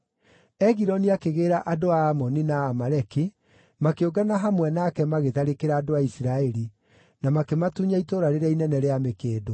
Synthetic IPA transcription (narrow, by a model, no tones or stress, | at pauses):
ɛɣiɾɔniakeɣeːɾaʔadoaːmɔninaːmaɾɛki | makeoɡanaɦamwɛnakɛmaɣeðaɾekeɾaːdoaisiɾaɛɾi | namakematuɲaitoɾaɾeɾainɛnɛɾeamekeːdo